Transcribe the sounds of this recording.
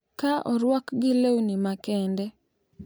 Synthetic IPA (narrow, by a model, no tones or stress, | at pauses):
kaʔɔɾwɔkɡɪlewnimakɛndɛ